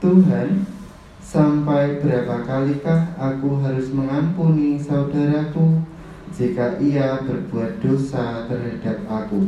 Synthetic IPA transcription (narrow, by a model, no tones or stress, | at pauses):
t̪uɦan | sampajb̥əɾapakalikahʔakuɦaɾʊsməŋampunisaudaɾaku | d͡ʒikaʔiab̥ərb̥uat̪̚d̪̥osat̪ərɦad̥ap̚aku